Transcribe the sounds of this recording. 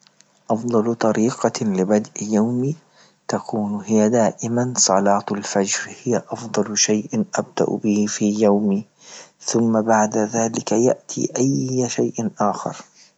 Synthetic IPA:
ʔɑfd̪ˤɑlt̪ˤɑɾiːqɑlɪbad̪ʔjawmi | t̪akʰuːnhɪjad̪aːʔɪmansˤɑlɑːt̪lfad͡ʒɾhɪjaʔɑfd̪ˤɑlʃajʔɪnʔab̚d̪̥a̰ʔbɪhɪfiːjawmi | θʊmːabaʕd̪aðaːlɪkaja̰ʔt̪ʰḭːʔajːʃajʔʔaːxɪ̰ɾˤ

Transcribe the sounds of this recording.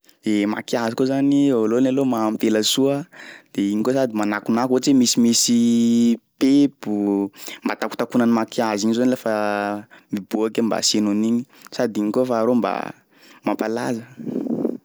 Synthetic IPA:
emakiazikozaniolonalomamit̪eləsuəd̪̥eiɲikosad̪imanakunakoʈ͡ʂemisimisi | pepumbat̪aku̥t̪akunənimakiaziɲizanilafə | mibuakemba̰senuniɲi | sad̪iɲikofaːɾomba̰ | mapala̰zə

